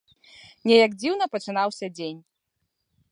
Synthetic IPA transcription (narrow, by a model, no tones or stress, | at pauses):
nʲɛjɐɡd͡zʲiwn̪ɐpɐt͡ʂɨnawsʲɐd͡zʲenʲ